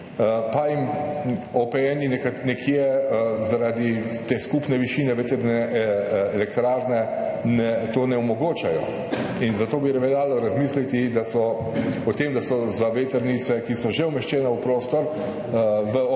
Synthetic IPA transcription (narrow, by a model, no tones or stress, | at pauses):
paim | ɔpɛjɛːninɛkanɛkʰjɛzaɾaːd̪it̪eːskupnɛʋiʃiːnɛʋet̪əɾnɛ | ɛlɛkt̪ɾaːɾnɛnɛt̪oːnɛɔmɔɡoːt͡ʃajɔ̰ | inzat̪oːbiɾɛʋɛlaːlɔɾazmiːslit̪id̪asɔ | ɔt̪eːmd̪asɔzaʋet̪əɾnit̪sɛkisɔʒeumɛʃt͡ʃɛːnawpɾoːst̪ɔɾ | ʋə